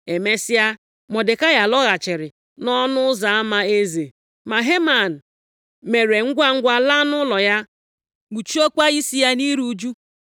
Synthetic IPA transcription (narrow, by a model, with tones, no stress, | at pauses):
e˨me˦sɪ˦ja˦ | mɔ˨dɪ˨ka˦ja˨lɔ˦ɣa˨t͡ʃɪ˨ɾɪ˨ | nɔ˦nʊ˦za˨a˦ma˦e˦ze˨ | ma˨ɦe˦ma˨n̩˨ | me˨ɾe˨ŋ̩˦ɡʷa˦ŋ̩˦ɡʷa˦la˦nʊ˦lɔ˨ja˦ | ɡʷu˨t͡ʃu˦o˦kʷa˦i˦si˦ja˦ni˦ɾu˦d͡ʒu˦